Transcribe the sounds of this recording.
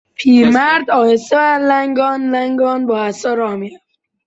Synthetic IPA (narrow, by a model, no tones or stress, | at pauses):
pʰiːmæɾd̪ɒːjeseʋælæŋɡɒːnlæŋɡɒːnbɒːæsɒːɾɒːmiɾaf